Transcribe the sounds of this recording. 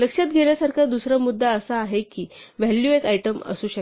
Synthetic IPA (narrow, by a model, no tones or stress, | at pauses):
ləkʂjat̪̚ɡʱeljasaɾkʰad̪usɾəmud̪ʱːaəsaːɦekiːʋɛljuekajʈəmə̰suːɕə